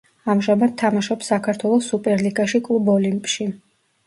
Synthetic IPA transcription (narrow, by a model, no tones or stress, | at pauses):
amʒamat̪̚ʰːamaʃɔpsakʰaɾt̪ʰwɛlˠɔsːupʼɛɾliɡaʃikʼlˠubɔlimpʼʃi